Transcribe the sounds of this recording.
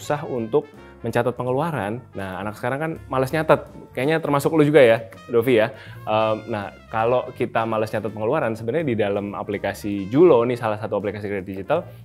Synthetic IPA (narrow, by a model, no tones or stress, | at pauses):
saɦunt̪ʊk̚ | məɲt͡ʃat̪ət̪̚pəŋəluaɾanːaha̰nak̚sə̥kaɾaŋkanmaləsɲat̪at̪̚kajaʔɲat̪ərmasʊklud͡ʒuɡaja | dofijaʔəmnah | kalokit̪amalasɲat̪at̪̚pəŋəluaɾansəbəɲadidalama̰plikasid͡ʒulonɪsalahsat̪uaplikasikɾedɪt̪̚did͡ʒit̪al